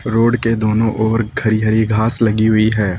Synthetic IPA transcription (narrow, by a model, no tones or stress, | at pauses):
ɾoːɖked̪oːnõʔɔːɾɡʱɐɾiɦəɾiɡʱaːslɐɡiɦʊiɦɛː